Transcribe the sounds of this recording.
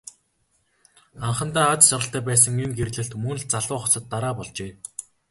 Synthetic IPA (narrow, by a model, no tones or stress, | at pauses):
aɴχə̆nt̪aːat͡ssɔɾə̆ɬt̪ʰæːpæːs̬ə̆ŋimɡerɮɘ̆ɬt̪mɵnɮt͡saɮʊːχɔsɞ̆t̪ːaɾaːpɔɮt͡ɕeː